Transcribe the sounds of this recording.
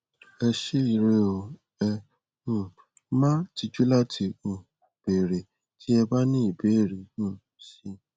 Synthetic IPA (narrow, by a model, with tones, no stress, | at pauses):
ɛ˧ʃe˦i˨ɾe˧˦o˨ | ɛ˧ | ũ˨ | mã˦ti˧d͡ʒu˦la˦tʰi˧ũ˨ | b̥e˨ɾe˨ | tʰi˨˦ɛ˧ba˦nĩ˦i˦˨be˨˦˨ɾe˨˦ũ˦˨ʃi˧